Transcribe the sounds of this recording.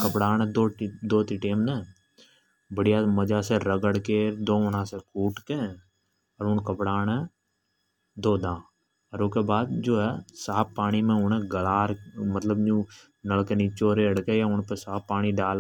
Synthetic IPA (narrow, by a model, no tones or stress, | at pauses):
kəpɽaːnɛ̃d̪oːd̪oːt̪iʈeːmnɛ | bəɽɪjaːməd͡ʒaːseɾəɡəɽked̪oːʊnãːsekuːʈkeː | əɾʊnkəpɽaːnɛː | d̪oːd̪ãː | əɾʊkeːbaːd̪̚d͡ʒoːɦɛsaːppːaːɽ̃imẽʊnɛ̃ɡəlaːɾmət̪ləbd͡ʒũː | nəɭkenit͡ʃoːɾeəɽkeːjaːʊɳpesaːpːaːɽ̃iɖaːl